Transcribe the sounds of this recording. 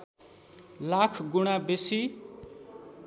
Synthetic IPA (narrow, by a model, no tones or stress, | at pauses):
lakʰɡuɽ̃abesi